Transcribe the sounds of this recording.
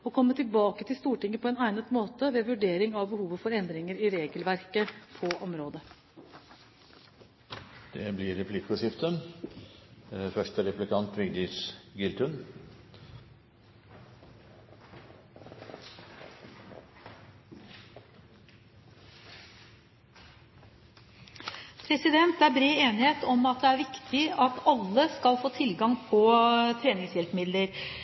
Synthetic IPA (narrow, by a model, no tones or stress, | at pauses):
ɔkʰɔmːət̪ʰɪlbɑːkət̪ʰɪlst̪uːʈɪŋːəpʰɔɛːnæɪnət̪moːt̪əʋeːʋʉɖeːɾɪŋɑʋbəhuːʋəfɔɾɛnd̪ɾɪŋəɾɪɾeːɡəlʋæɾkəpʰɔʔɔmɾoːd̪ə | d̪̥ɛblɪɾɛpʰlɪkːʊʂɪft̪ən | fœʂʈəɾɛplɪkʰɑnt̪ʋɪɡd̪ɪsɡɪlt̪ʰʉn | pʰɾɛsɪd̪ɛnt̪æbɾeːeːnɪheːt̪ɔmɑt̪̚d̪ɛæːɾʋɪkt̪ʰɪɑt̪ɑlːəskɑlfoːt̪ʰɪlɡɑŋpʰɔt̪ʰɾeːnɪŋsjɛlpmɪd̪ləɾ